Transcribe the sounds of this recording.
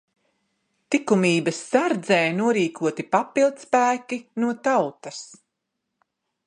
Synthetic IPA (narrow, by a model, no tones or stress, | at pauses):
t̪ikumiːbɐsːaɾd̪zɛːjnuɔɾiːkʰuɔt̪ipapilˠd̪spæːkinuɔt̪awt̪ɐs